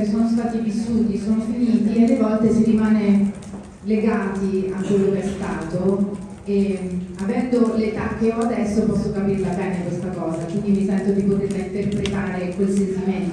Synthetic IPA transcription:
soːnos̬t̪aːt̪ivisːuːt̪isoːnofiniːt̪ialːevɔlt̪esiɾimaːne | leɡaːt̪iakːwelːokɛst̪aːt̪o | eavɛnd̪olet̪ak̟ːeɔad̪ɛsːopɔsːokapirlabɛːnekwest̪akɔːzakwind̪imisɛnt̪od̪ipot̪erlaint̪erpɾet̪aːɾekwelsent̪iment̪

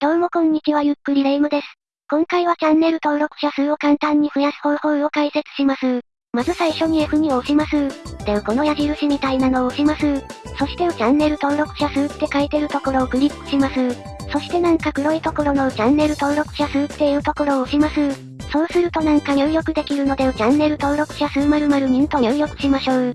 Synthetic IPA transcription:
d̪̥o̞ːmo̞kõ̞ɲ̟ːikʲiβajɯ̟kːɯ̟ɾʲiɾe̞ːmɯ̟d̪e̞sɨ̥ | kõ̞ŋkaiβ̞at͡ɕãnːe̞ɾɯ̟t̪o̞ːɾo̞kɯ̟̥ɕasɨːokãnt̪ãɲ̟ːiɸɯ̟jasɨ̥ho̞ɾɯ̟ho̞ɾɯ̟o̞kaise̞t͡sɨ̥ɕimasɨ | mazɨsaiɕo̞ɲ̟ieɸɯ̟ɲ̟io̞ɕimasɨd̪̥emako̞no̞jaʑiɾɯ̟ɕimʲit̪ainano̞oːɕimasɨso̞ɕi̥t̪e̞t͡ɕãnːe̞ɾɯ̟t̪o̞ːɾo̞kɯ̟̥ɕasɨːt̪ːe̞kait̪e̞ɾɯ̟t̪o̞ko̞ɾo̞ːkɯ̟ɾʲipːɯ̟̥ɕimasɨ | so̞ɕi̥t̪e̞nãŋkakɯ̟ɾo̞it̪o̞ko̞ɾo̞not͡ɕãnːe̞ɾɯ̟t̪o̞ːɾo̞kɯ̟̥ɕasɨt̪ːe̞iɯ̟t̪o̞ko̞ɾo̞ːɕimasɨ | so̞ːsɨɾɯ̟t̪o̞nãŋkajoːjokɯ̟d̪e̞kʲiɾɯ̟no̞d̪e̞t͡ɕãnːe̞ɾɯ̟t̪o̞ːɾo̞kɯ̟̥ɕasɨmaɾɯ̟maɾɯ̟ɲ̟ĩnt̪ojojo̞kɯ̟ɕimaɕo̞ː

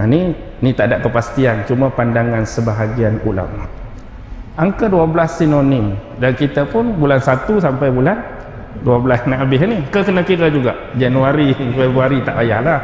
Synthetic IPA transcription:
ni | nit̪aʔdaʔkəpast̪iant͡ʃumə̃pandaŋansəbaɦaɡianṵla̰m | aŋkəduablasːinoni | dankit̪apʊnbulansat̪usampajbulan | duablasnaʔabɪɦnikəkənakiɾad͡ʒuɡa̰ʔd͡ʒanuaɾianuaɾit̪aʔaja̰hlah

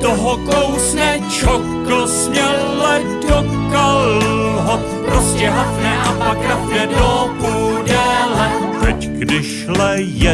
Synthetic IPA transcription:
t̪oɦokowsɲɛ | t͡ʃokl̩sɲɛlɛ | do | kalɦo | pɾoscɛɦafɲɛʔapakɾafɲɛdopudɛlɛ | t̪ɛcɡdɪʃ | lɛjɛ

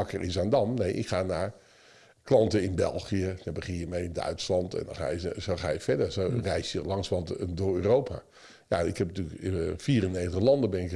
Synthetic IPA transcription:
ɑkərɪnsaːndɑmnejʔɪ̰kχaːnaːɹ | klɑntəɪnbɛ̰lˠχijəkɛbəχɪimejɪndœ̰ɥtslɑntɛ̰ndɔ̰nχa̰ːjəsowχaːjəfɛdəɹsorɛjsjəlɑŋsʋɑntdʊɹøːrowpʰa̰ː | ja̰ɪkhɛptyləkfiːrənejtəχlɑndəbɪnɪk

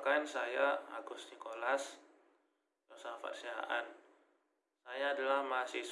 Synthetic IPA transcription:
kansajaa̰ɡʊst̪nikolas | josafa̰t̪sia̰ʔa̰n | sajaːdalahmasɪhs

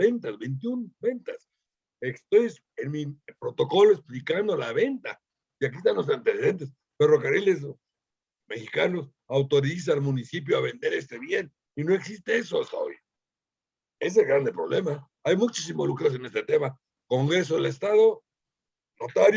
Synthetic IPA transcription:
e̞nt̪azbe̞jnt̪̬junbe̞nt̪as | est̪o̞j | enmipɾo̞t̪o̞ko̞loesplikand̪olaβe̞nt̪a̰ | iak̬iest̪anlo̞s̬ant̪eseðe̞nt̪̬es | fero̞kariles̬ | me̞xikano̞s | awt̪o̞ɾis̬aːlmunisip̬joaβe̞nd̪e̞ɾe̞st̪e̞βje̞n | ino̞e̞ksist̪e̞esoast̪a̰o̞̰j | e̞s̬elɡɣɾand̪epɾo̞βle̞ma | ajmut͡ʃas̬imbo̞lukɾas̬ene̞st̪et̪e̞ma | ko̞ŋɡɾe̞s̬oðelest̪aðo̞ | not̪aɾj

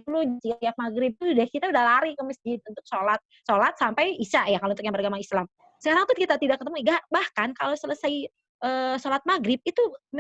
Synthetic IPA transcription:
lusiaak̚maɡɾɪb̚t̪udahkit̪audahlaɾɪhkəməsd͡ʒɪt̪̚unt̪ʊk̚solat̪̚solat̪̚sampajisaʔjakalount̪ʊk̚ɲaŋbərɡamaislam | səkaɾaŋt̪ukit̪at̪idaʔkət̪əmuiɡaʔbahkankalowsələsaj | ʔəːsolat̪̚maɡɾɪp̚it̪u

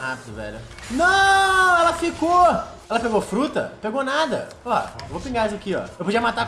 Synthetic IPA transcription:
hapɪd̪ʊvɛ̰ʎʊnɐ̃ɛlɐfiko | ɛlɐpeɡofɾut̪ɐ̰peɡonad̪ɐ̰ | ɔevopĩɡazakiɔ̰ewpod͡ʒiɐmat̪a

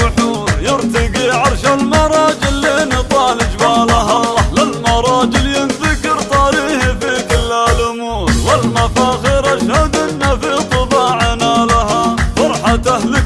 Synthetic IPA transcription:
ʊħuːɾjɪɾt̪ɪɡiʕɑɾˤʃalmɑɾˤɑːd͡ʒɪlːiːnit̪ˤɑːlɪd͡ʒmaːlaɦalɪlmɑɾˤɑːd͡ʒɪljɪnsakɪɾt̪ˤɑɾiːhifikɪlːalʊmuːɾwɪlmafaːxɪɾaʃhad̪ɪd̪nafit̪ˤɨbɑːʕanaːlahafɑɾˤħat̪ahlɪ

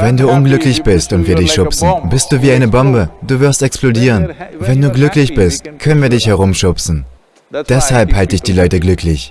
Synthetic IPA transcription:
vɛnduːʔʊnɡlʏklɪçb̥ɪstʊntv̥iːɐdɪçʃʊpsn̩bɪst̚d̥uːviːaɪnəbɔmbəd̥uːvɪɐstɛksplodiːʁənvɛnduːɡlʏklɪçb̥ɪstkʰœnənviːɐdɪçhɛʁ̞ʊmʃʊpsn̩ | d̥ɛshalphaltəɪçd̥iːlɔʏtəɡlʏkʰlɪç

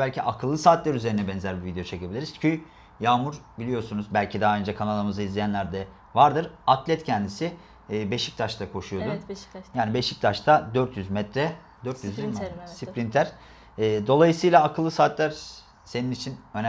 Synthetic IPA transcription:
bælʲcʰiʔakʰɯlˠːɯsaːt̪lʲæɾyze̞ɾinɛbɛnzæɾbivid̪ejo̞t͡ʃʰe̞cebilʲiɾizcʰyj | jaːmuɾbilʲijo̞ɾsunuzbælʲcʰid̪aɦaø̞nd͡ʒɛkʰanalˠaɾmɯzɯizlʲijænlʲæɾd̪ɛ | vaɾd̪ɯɾat̪ʰlʲɛt̪cʰɛnd̪isiː | be̞ʃi̥c̚t̪ʰaʃt̪ʰakʰo̞ʃujo̞dd̪unjaːnibe̞ʃic̚t̪ʰaʃt̪ʰad̪øɾt̪ʰjyzmɛt̪ɾɛ | d̪øɾt̪jyzimsipɾint̪ʰæɾ̥ː | d̪o̞lˠajɯsɯjlˠaːkʰɯlˠːɯsaːt̪lʲæɾ | se̞ninit͡ʃʰinøn

